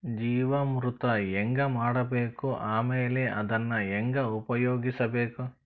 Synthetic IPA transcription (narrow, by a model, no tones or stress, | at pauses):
d͡ʒiːʋɐmɾut̪ɐeŋɡɐmaːɽɐbeːkuʔaːmeːleʔɐd̪ɐnːɐɛŋɡɐupɐjoːɡisɐbeːku